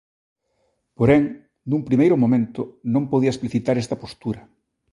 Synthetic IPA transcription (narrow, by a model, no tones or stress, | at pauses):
poɾeŋ | numpɾimejɾʊmõmẽnt̪ʊnõmpoð̞iɐespliθit̪aɾest̪ɐpost̪uɾɐ